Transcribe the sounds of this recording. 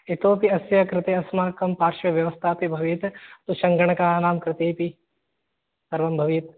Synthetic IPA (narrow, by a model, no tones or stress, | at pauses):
et̪oːpiɐsjɐkɾɪt̪eːɐsmaːkɐmpaːɾʃɐʋjɐʋɐst̪ʰaːpibʱɐʋit̪t̪uʃɐŋɡɐɳ̃ɐkaːnaːmkɾɪt̪eːpi | sɐɾʋɐmbʱɐʋiːt̪̚